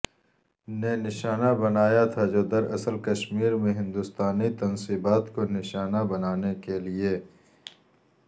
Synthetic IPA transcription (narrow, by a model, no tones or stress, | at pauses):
nenɪʃaːnabɐnaːjat̪ʰad͡ʒoːd̪ɐɾɐsəlkɐʃmiːɾmẽɦɪ̃nd̪ʊst̪aːnit̪ɐnsiːbaːt̪konɪʃaːnabɐnaːnekelieː